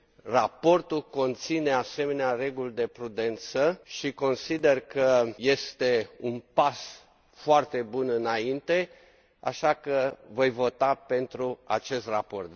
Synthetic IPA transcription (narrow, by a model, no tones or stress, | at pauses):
rapo̞rt̪ulko̞nt̪sine̞ase̞me̞neare̞ɡuld̪e̞pɾud̪e̞nt̪səʃiko̞nsid̪e̞rkəje̞st̪e̞unpas | foart̪e̞bunɨnaint̪e̞ | a̰ʃakəvo̞jvo̞t̪ape̞nt̪ɾua̰t͡ʃe̞st̪rapo̞rt̪